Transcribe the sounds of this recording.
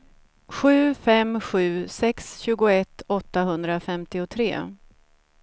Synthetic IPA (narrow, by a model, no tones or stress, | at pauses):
ɧʉ̟ːfɛmɧʉ̟ːsɛksɕʉ̟ːɡʊɛt̪ʰːɔt̪ːaɦɵnd̪ɾafɛmt̪ɪʊt̪ʰɾḛː